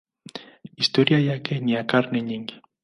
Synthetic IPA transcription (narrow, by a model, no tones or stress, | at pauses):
ist̪oɾjajakeniakaɾneɲɪŋɡɪ̥